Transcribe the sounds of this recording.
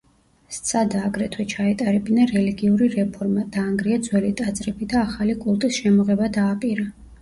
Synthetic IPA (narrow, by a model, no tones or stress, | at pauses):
st̪sʰad̪aːɡɾɛt̪ʰwɛt͡ʃʰaɛt̪ʼaɾɛbinaɾɛliɡiuɾiɾɛpʰɔɾmad̪̥aːŋɡɾiad̪zwɛlit̪ʼat̪sʼɾɛbid̪aːχalikʼulˠt̪ʼisʃɛmɔʁɛbad̪aːpʼiɾa